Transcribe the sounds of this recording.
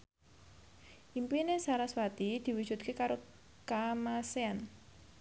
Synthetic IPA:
ʔimpinesaɾaswat̪id̪̥i̤wud͡ʒ̥ut̪̚kekaɾo | kamasean

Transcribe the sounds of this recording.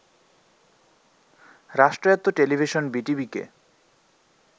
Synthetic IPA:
ɾaʃʈɾoat̪ːoʈelibʱiʃonbiʈibikḛ

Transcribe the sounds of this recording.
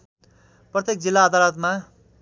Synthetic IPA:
prʌt̪jek̚d͡zilːaːd̪alʌt̪ma

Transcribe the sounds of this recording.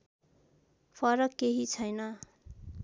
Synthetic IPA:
pʰʌɾʌkːeɦit͡sʰʌjnʌ

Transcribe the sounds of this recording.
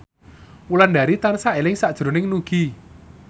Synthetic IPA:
ulanda̤ɾit̪ansaelɪŋsad̥ʒ̥ɾo̤nɪŋnuɡ̥i

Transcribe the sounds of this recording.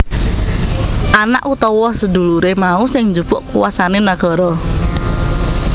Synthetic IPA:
ʔanaʔut̪ɔwɔsəd̪uluɾemausɪŋɲd͡ʒupʊʔkuwasanenaɡ̥ɔ̤ɾɔ

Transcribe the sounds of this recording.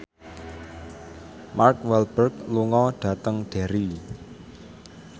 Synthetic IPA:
markwɛlb̥ərkluŋɔɖ̥ä̤t̪əŋɖ̥e̤ɾi

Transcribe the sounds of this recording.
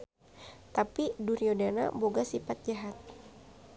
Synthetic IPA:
t̪apiduɾiodana̰boɡasifat̪̚d͡ʒaɦat̪̚

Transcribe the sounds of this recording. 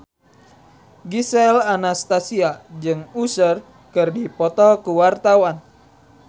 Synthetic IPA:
ɡisɛlanast̪asiad͡ʒɨŋusər | kɨrdipɔt̪ɔkuwart̪awan

